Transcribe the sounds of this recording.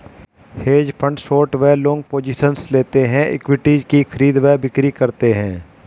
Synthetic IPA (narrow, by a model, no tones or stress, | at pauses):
heːd͡ʒpʰə̃ɳɖsoːɾʈʋeːlõːŋɡ̚poːd͡ʒɪʃənsleːt̪eɦɛ̃ʔɪ̰kwɪʈiːd͡ʒkixʰəɾiːd̪ʋɛːbɪkɾikɐɾt̪eɦɛ̃ː